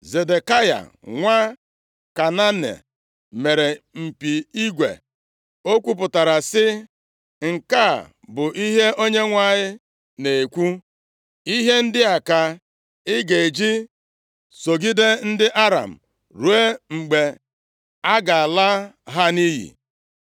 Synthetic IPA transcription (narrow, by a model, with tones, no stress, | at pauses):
ze˨de˨ka˦ja̰˨ | ŋʷa˦ | ka˨na˦nḛ˨ | me˨ɾe˨m̩˨pi˨i˦ɡʷḛ˨ | o˦kʷu˦p̬ʊ˨ta˨ɾa˨sɪ˦ | ŋ̩˨ka˦˨ | bʊ˨ʔi˦ɦe˦ʔo˦ɲe˦ŋʷa˦˨ɲɪ˦ | ne˨kʷu˦ | i˦ɦe˦n̩˦dɪ˦a˨ka˨ | ɪ˦ɡe˨e˨d͡ʒi˦ | so˨ɡi˦de˦n̩˦dɪ˦ʔa˦ɾa̰˨m̩˨ | ɾu˨˦e˦ŋ͡m̩˨ɡ͡be˨ | a˦ɡa˨a˨la˦ | ɦa˦ni˦ɦḭ˨